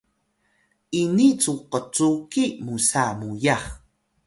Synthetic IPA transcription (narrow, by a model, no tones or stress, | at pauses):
init͡suqət͡sukimusamujaχ